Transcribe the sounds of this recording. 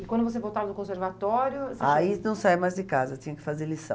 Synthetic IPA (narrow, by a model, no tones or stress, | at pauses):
ɪkwɐ̃d̪ʊvos̬evowt̪avɐd̪ʊkõseɾvat̪ɔɾjʊseaʃinɐ̃w̃saijmajzdɪkazɐtĩɲɐkɪ̥fazeɾlisɐ̃